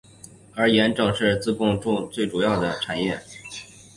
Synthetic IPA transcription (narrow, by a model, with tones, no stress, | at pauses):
ə˞˧˥jɛ˧˥nʈ͡ʂɤ˨˩ŋʂɻ̩˥˧t͡sɹ̩˥˧kʊ˥˧ŋʈ͡ʂʊ˥˧ŋt͡swe˥˩ɪʈ͡ʂu˨˩jɑ˥˩ʊd̪ə˩ʈ͡ʂʰa˨˩njɛ˥˩